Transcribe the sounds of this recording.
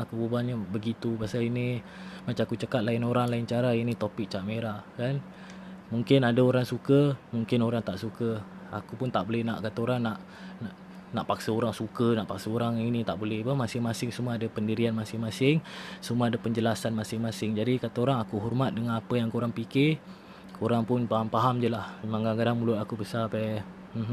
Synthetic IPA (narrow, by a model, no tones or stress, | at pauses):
akububaɲabəɡit̪upasalini | mat͡ʃaakut͡ʃəkat̪̚laɪnoɾaŋlaɪnt͡ʃaɾainit̪opɪk̚t͡ʃameɾaʔkan | muŋkɪnadaoɾaŋsukəmuŋkɪnoɾaŋt̪aʔsukə | a̰kupʊnt̪aʔbolɛhna̰ʔkat̪aoɾaŋnaʔ | naʔ | naʔpaksəoɾaŋsukənaʔpaksəoɾaŋinĩt̪aʔbolɛhpəmasɪŋmasɪŋsumaadapəndiɾianmasɪŋmasɪŋsumaadapəɲd͡ʒəlasanmasɪŋmãsɪŋd͡ʒadikat̪aoɾaŋakuɦɔrmat̪̚dəŋanapəjaŋkoɾaŋpikɪ | kʰoɾaŋpʊnpaɦampaɦamd͡ʒəlahmaŋɡaŋkadaŋmulʊt̪akubəsapa | m̩ɦ